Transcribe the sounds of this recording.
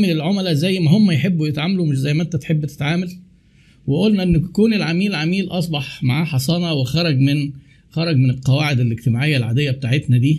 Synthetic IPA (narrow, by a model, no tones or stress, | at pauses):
melelʕomælæzæjːmæɦomːæjħebːujet̪ʕaːmælumeʃzæjːmæʔent̪æt̪ħebːt̪e̥t̪ʕaːmæl | weʔolnæʔenːkuːnelʕamiːlʕamiːlʔɑs̬ˤbɑħmaʕaːħɑsˤɑːnɑwexɑɾˤɑɡmen | xɑɾˤɑɡmenelqɑwaːʕed̪elʔeɡt̪emaːʕejːælʕa̰ːd̪ejːæbet̪aːʕet̪næd̪iː